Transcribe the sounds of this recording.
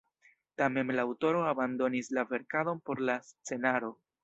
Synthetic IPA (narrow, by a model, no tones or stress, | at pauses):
tame̞nlaːwto̞ɾo̞abando̞nislave̞ɾkado̞npo̞ɾlast͡se̞naɾo̞